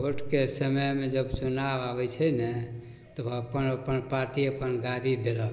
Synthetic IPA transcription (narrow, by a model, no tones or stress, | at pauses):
oʈkesəməjmed͡ʒəbt͡ʃunaʋabɛt͡ʃʰənɛ | t̪ɔəpənəpənpaɾʈiəpənɡaɾid̪elə